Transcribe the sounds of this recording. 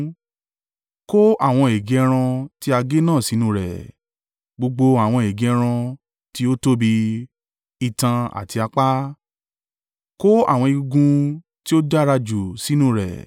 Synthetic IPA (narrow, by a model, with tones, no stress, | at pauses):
ko˦a˦˨w̃ɔ̃˧e˨ɡe˨˦˧ɾ̃ã˧ti˦a˧ɡe˦nãː˦˨si˨˦nũ˦˨ɾɛ̰˨ | ɡ͡bo˧ɡ͡bo˧a˨w̃ɔ̃˧e˨ɡe˨˧˦ɾ̃ã˧ | ti˦o˦to˦bi˧ | i˨tã˧a̰˨ti˧a˧k͡pa˦ | ko˦a̰˦˨w̃ɔ̃˧i˧ɡũ˧ | ti˦o˦d͡ʒa˦ɾa˧d͡ʒu˨si˨˦nũ˦˨ɾɛ̰˨